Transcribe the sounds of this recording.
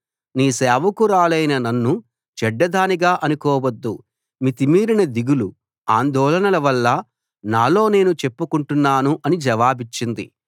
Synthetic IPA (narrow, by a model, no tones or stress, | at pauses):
niːsɛːʋɐkuɾaːlɐjnɐnɐnːu | t͡ʃɛɖːɐd̪aːniɡaːʔɐnukɔːwɐd̪ːu | mit̪imiːɾinɐd̪iɡulu | aːnd̪ɔːlɐnɐlɐʋɐlːɐ | naːlo̞ːne̞ːnut͡ʃe̞pːukuɳʈunːaːnuʔɐnid͡ʒɐʋaːbit͡ʃːind̪ḭ